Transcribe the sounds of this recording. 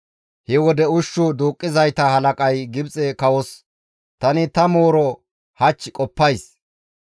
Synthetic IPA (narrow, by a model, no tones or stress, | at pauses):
hɛwɔd̪ɛʊʃːʊd̪uːkʼːɪzɐjt̪ɐhɐlɐkʼɐjɡɪbt͡sʼɛkɐwɔs | t̪ɐnɪt̪ɐmoːɾɔ | hɐt͡ʃːɪkʼɔpːɐjs